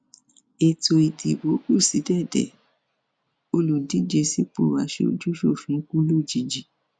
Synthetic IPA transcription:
e˨tʰo˧i˨ti˨bo˨˦ku˦˨si˨˦dɛ˦˨dɛ̰˨ | o˧lu˨di˨˦d͡ʒe˧si˦k͡pu˦˨wa˨˦ʃe˧o̰˧˨d͡ʒu˦ʃo˦˨fĩ˨˦ku˦lo˦˨d͡ʒi˨d͡ʒi˨

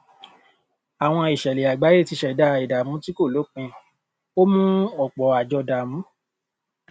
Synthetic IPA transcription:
a˨w̃ɔ̃˧i˨ʃɛ˨le˨a˨ɡ͡ba˨˦je˦˨ti˧ʃɛ˨da˧i˨da˨mũ˨˦ti˦ko˦˨lo˨˦k͡pĩ˧ | o˦mũ˦ɔ˦˨k͡pɔ˨a˨d͡ʒɔ˧da˨mũ˨˦

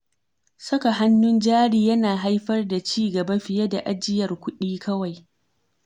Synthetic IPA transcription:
sɐ˦ka˨ɦa˦nːʊ˦nd͡ʒaː˦ɽiː˦jɐ˦naː˨ɦa˦jɸɐ˦rda˨t͡ʃiː˦ɡɐ˨bɐ˦ɸɪ˨ja˦da˨ʔa˦d͡ʒɪ˦jɐ˨rkʷʊ˦ɗiː˦kʰɐ˦wa˨j

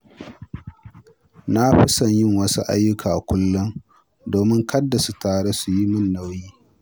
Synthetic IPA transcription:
na˦ɸɪ˦sɐ˨ɲjɪ˦ŋwɐ˦sṵ˦ʔa̰˦jːʊ˦kʰaː˨ʔa˨kʷʊ˦lːʊ˦n | doː˨mɪ˦ŋkʰɐ˦dːa˨su˨taː˨ɽe˦su˨ji˦mɪ˦nːa˦˨wjiː˦

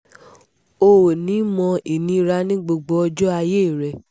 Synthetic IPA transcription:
o˧wo˨nĩ˨˦mɔ̃˧i˨nĩ˧˦˧ɾa˧nĩ˦ɡ͡bo˧ɡ͡bɔ˧˦ɔ˧d͡ʒɔ˦a˧je˦˨ɾɛ˨

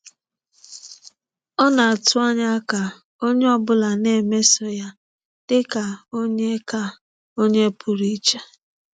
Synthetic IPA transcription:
ɔ˦na˨a˨tʊ˦a˦ɲa˦ka˨ | o˦ɲe˦ɔ˦bʊ˦la˨ne˦˨me˦sɔ˨ja˦ | d̥ɪ˦ka˨o˦ɲe˦ka˦ | o˦ɲe˦pʊ˨ɾi˦t͡ʃa˦

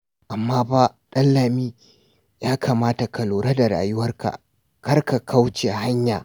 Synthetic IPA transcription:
ʔa˨mːaː˦ba˦ɗɐ˦lːaː˨miː˦ | jaː˦kʰaː˨maː˦ta˨kɐ˨loː˨ɾa˦da˨ɾa̰ː˨jʊ˦wɐ˦rka̰˨ | kɐ˦rka˨kʰa˦wt͡ʃe˨ha˦ɲjaː˨

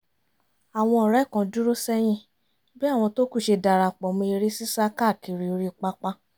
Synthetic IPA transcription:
a˨w̃ɔ̃˧˨ɾɛ˨˦˨kã˧du˦ɾo˦sɛ˦j̃ĩ˦ | bi˦a˦˨w̃ɔ̃˧to˦ku˦˨ʃe˧da˨ɾa˨k͡pɔ˨mĩ˧i˧ɾi˦si˦sa˦ka˦˨ki˨ɾi˨˦o˧ɾi˦˨k͡pa˦k͡pa˧

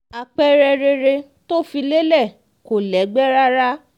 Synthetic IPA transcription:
a˨k͡pɛ˦ɾɛ˧ɾe˧ɾe˧ | to˦fi˧le˦lɛ˦˨ | ko˨lɛ˨˦ɡ͡bɛ˦ɾa˦ɾa˦

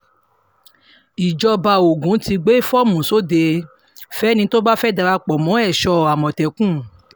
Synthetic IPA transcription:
i˨d͡ʒɔ˧ba˧˨o˨ɡũ˨˦ti˧ɡ͡be˦fɔ˦mũ˨so˦de˧ | fɛ˦nĩ˧to˦ba˦fɛ˦˨da˧ɾa˧k͡pɔ˨mɔ̃˨˦ɛ˦˨ʃɔ˧a˨mɔ̃˨tɛ˨kũ˦˨

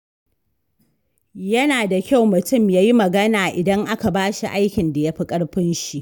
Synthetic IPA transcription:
jɐ˦naː˨da˨kʲa˦˨wmʊ˨tʊ˦˨mjaː˦ji˦mɐ˨ɡɐ˦naː˨ʔɪ˨dɐ˦ŋʔa˦ka˨baː˦ʃi˨ʔa˦jkʲɪ˨nda˨ja˦ɸi˦kʼɐ˦ɽɸɪ˦nʃi˨ʔ

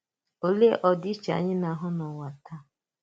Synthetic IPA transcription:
o˨le˦ʔɔ˨dɪ˦t͡ʃa̰˨ɲɪ˦na˨ɦʊ˦nɔ˨wa˨tʰa˦

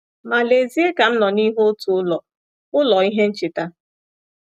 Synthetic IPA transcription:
ma˨le˨zi˦e˦ka˨m̩˦nɔ˨ni˦ɦo˦o˦tu˨ʊ˦lɔ˨ | ʊ˦lɔ˨i˦ɦe˦n̩˦t͡ʃɪ˨ta˦

